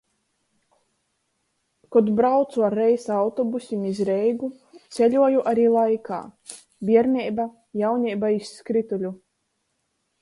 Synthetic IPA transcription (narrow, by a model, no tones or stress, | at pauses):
kɔd̪bɾawt̪suaɾːɛjsawt̪ɔbusʲimizɾɛjɡu | t̪sʲɛlʲuɔjuʔaɾiːlˠajkʰa̰ː | bʲiɛɾnʲɛjba | jawɲʲɛjbaisːkɾit̪ulʲu